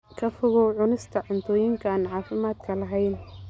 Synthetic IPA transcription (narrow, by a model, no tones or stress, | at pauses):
kʰɐfʊɣɔʕʊnɪst̪ʰɐʕʊnt̪ʰɔːjɪŋkʰɐaːnʕɑːfɪmaːd̪kʰɐlɐɦɛjn